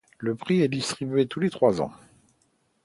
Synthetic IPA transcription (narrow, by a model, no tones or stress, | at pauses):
ləpχiɛd̪ist̪χibɥet̪ulet̪χwazɑ̰̃